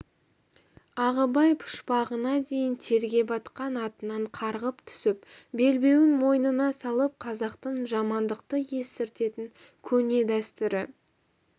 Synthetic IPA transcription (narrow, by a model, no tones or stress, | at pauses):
ɑʁəbɑjpʰʊ̥ʃpɑʁənɑd̪e̞jɪnt̪ʰe̞ɾɡʲe̞bɑt̪qɑnɑt̪ənɑɴqʰɑɾʁəpt̪ʰʏ̥sɪp̚be̞lbe̞wɪnmo̞jnənɑsɑlˠəp̚qʰɑzɑqt̪əɴʒɑmɑnd̪əqt̪əje̞sɪɾt̪e̞t̪ɪŋ | kʲʰɵne̞d̪æst̪ʏɾɪ